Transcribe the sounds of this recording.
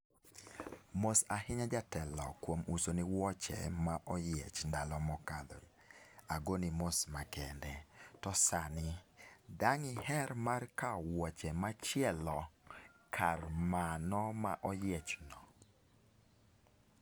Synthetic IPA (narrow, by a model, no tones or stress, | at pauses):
mosahɪɲad͡ʒatɛlɔkwomusoniwɔt͡ʃɛ̰maʔɔjet͡ʃndalɔmɔkad̪ɔ̰aɡonimosmakɛndɛtɔsanɪdaŋɪhɛɾmarkawɔt͡ʃɛmat͡ʃjɛlɔkʰarmanɔmaʔɔjet͡ʃnɔ